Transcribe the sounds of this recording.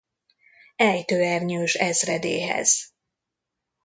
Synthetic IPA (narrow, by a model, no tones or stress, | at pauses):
ɛjt̪øːɛrɲøːʃɛzrɛd̪ḛːɦɛ̰z̥